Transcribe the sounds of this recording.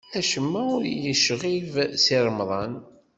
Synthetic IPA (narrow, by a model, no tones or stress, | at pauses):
æʃəmːæʊɾjəʃʁivsiɾˤmðˤɑn